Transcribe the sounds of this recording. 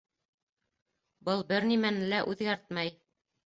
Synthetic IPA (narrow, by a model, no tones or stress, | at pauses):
bɤlˠbɘɾnimænɘ̆læʔʉðɡæɾt̪mæj